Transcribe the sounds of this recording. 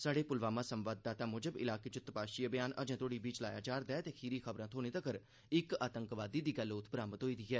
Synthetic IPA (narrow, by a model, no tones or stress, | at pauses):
saːɖeːpʊlʋaːmãːsəmʋaːd̪ːaːt̪aːmʊːd͡ʒəbɪ̰laːkeːt͡ʃʊt̪ːəpaːʃiːəbjaːnʔə̰d͡ʒãːt̪ʰoːɽiːbiːt͡ʃlaːja̰ːd͡ʒaːɾd̪ɛːt̪eːkʰiːɾiːkʰəbɾãːt̪ʰoːneːt̪əkəɾ | ɪkaːt̪əŋkʋaːd̪iːd̪iːɡəlːʊt̪ʰːbɾaːmət̪ɦoːiːd̪iːɦɛː